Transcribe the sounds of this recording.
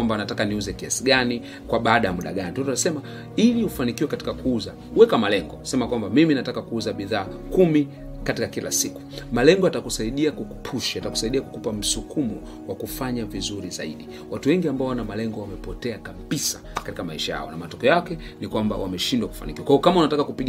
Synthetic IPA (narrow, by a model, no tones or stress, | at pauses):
ambanatakaniuzɛkiasiɡani | kwaɓaːɗajamuɗa̰ɡanitɔtanasɛma | iliufanikiwɛkati̥kakuuza | wɛkamalɛŋɡɔsɛmakwambamiminatakakuuzaɓiðaːkumi | katikakila̰siku̥malɛŋɡɔatakusaiɗiakuku̥pʰuʃiataku̥saiɗiaku̥kupam̩sukumɔ | wakufaɲavizuɾiza̰ḭɗi | watuwɛŋɡiambaɔwanamalɛŋɡɔwamɛpɔtɛakaɓisḁ̰katikamaiʃaja̰ɔ̰namatɔkɛɔjakɛnikwamba̰wamɛʃindwaku̥fa̰nikiwakwaiɔkamaunatakakupiɡ